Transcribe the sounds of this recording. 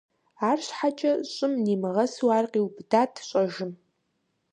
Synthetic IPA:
aːrɕʷħat͡ʃʼɐɕʼʊmniːmɨʁɐsuwaːrqʼiwbdaːtʰɕʼɐʒɪm

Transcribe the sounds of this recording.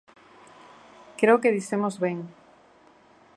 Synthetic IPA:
kɾeokeðiθemozβeŋ

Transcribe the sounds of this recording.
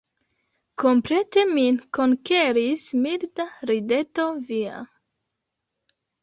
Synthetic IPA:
kompɾet̪eminkoŋkeɾismildaɾidet̪ovia̰

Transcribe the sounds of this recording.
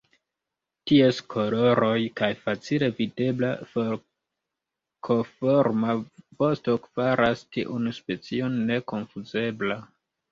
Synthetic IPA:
tie̞skʰo̞lo̞ɾo̞jkajfat͡sile̞vide̞blafoɾ | kʰofoɾmavo̞sto̞kv̥aɾastiʔunspe̞t͡sio̞nːe̞ko̞nfuze̞bla

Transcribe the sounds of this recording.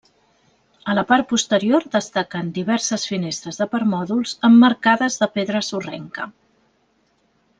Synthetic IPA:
ələpaɾt̪̚pust̪əɾioɾd̪əst̪akənd̪iβ̞ɛɾsəsfinest̪ɾəzðəpəɾmɔðulˠz̥əmːəɾkaðəzðəpeðɾəsurɛŋkə

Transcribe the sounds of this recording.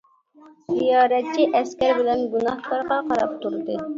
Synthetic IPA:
zijɑːɾɛt̪̚t͡ʃʰiʔɛskʲɛɾbɪlɛnɡunɑhk̪ɑɾʁɑqɑɾɑp̚t̪uɾɨd̪ɨ

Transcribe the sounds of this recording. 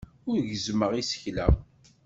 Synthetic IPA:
ʊɾʝəzməʁisə̥çlæ

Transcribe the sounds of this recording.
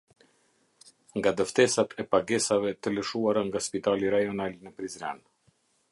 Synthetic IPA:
ŋɡad̪əft̪ɛsat̪ʰɛpaɡɛsavɛt̪ələʃuaɾaŋɡaspit̪aliɾajɔnalnəpɾizɾɛ̰n

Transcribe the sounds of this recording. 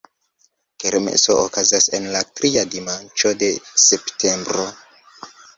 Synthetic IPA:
keɾmḛsookazase̞nlatɾʔiadimant͡ʃo̞de̞septʰe̞mbɾo̞

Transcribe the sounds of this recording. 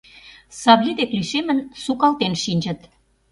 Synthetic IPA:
sɑβlʲed̪ekliʃemə̆nsukɑlt̪enʃinʲd͡ʑə̆t̪

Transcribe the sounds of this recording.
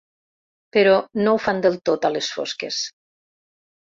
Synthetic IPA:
peɾɔnowfand̪elˠt̪ot̪alesfo̰skḛs

